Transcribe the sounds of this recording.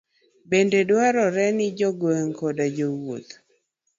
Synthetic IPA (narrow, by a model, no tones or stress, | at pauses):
bendedwaɾɔɾɛnɪd͡ʒɔɡweŋkɔdad͡ʒowo̰t̪